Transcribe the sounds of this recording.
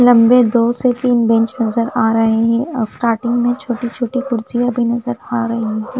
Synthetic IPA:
lɐ̃mbed̪oːset̪iːnbɛ̃ɲt͡ʃnɐzəɾaːɾɐɦeɦɛ̃sʈaːɾʈɪ̃ŋɡmẽt͡ʃʰoːʈit͡ʃʰoːʈikʊɾsijabʱinɐzəɾaːɾɐɦiɦɛ̃ː

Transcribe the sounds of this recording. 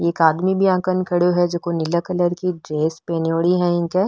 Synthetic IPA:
eːkaːd̪mibʱiãːkənkʰɐɽjoɦɛd͡ʒokonɪləkələɾkiɖɾeːspeːnjoːɽiɦɛ̃ɪ̃nke

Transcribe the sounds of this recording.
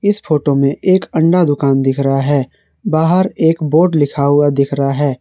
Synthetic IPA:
ɪsfoːʈomẽʔeːkɐ̃ɳɖad̪ʊkaːnd̪ɪkʰɾɐɦaɦɛː | baːɦəɾeːkboːɾɖlɪkʰaːuad̪ɪkʰɾɐɦaɦɛː

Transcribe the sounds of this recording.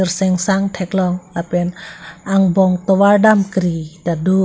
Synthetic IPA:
ərsɛŋsaŋʈʰɛklɔŋlapɛnaŋbɔŋt̪ɔwaɖamkəɾid̪̥ado

